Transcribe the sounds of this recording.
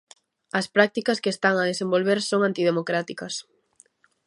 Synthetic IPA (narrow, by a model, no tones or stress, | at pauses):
ɐspɾak̚t̪ikɐskeːst̪aŋɐðesembolβeɾsoŋant̪ið̞emokɾat̪ikɐs